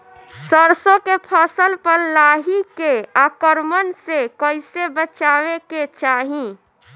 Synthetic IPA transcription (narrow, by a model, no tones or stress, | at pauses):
səɾsõkepʰəsəlpəɾlaːɦikeaːkəɾmənsekəɪsebət͡ʃaːweket͡ʃaːɦĩ